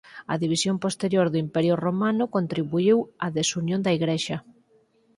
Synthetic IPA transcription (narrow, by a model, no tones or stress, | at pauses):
ɐðiβ̞isjompost̪eɾjoɾðʊimpɛɾjʊromanʊkont̪ɾiβuiwɐðesunjõnd̪ɐiɣɾeʃɐ